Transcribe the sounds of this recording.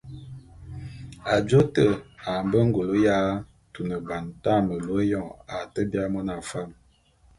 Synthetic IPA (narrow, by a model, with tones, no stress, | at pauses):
a˨d͡ʒo˦tə˦˨a˨mbə˦ŋ̩˦ɡo˨lo˦ja˦ | tu˨nə˨ba˨nta˦˨mə˨lo˨˦e˦jɔ˦˨a˨tə˦bja˦mɔ˦na˨fa˦˨m